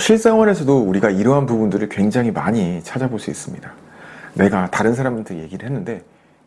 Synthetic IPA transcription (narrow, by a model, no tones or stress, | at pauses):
ɕʰiɭs͈aŋwʌne̞sʰʌdouɾiɡaiɾʌɦanpubundɯɾɯɭkwe̞ŋd͡ʑaŋima̰ɲit͡ɕʰad͡ʑaboɭs͈uḭs͈ɯmɲida | ne̞ɡataɾɯnsʰaɾamɯntʰeje̞ɡiɾɯɭhenːɯnde̞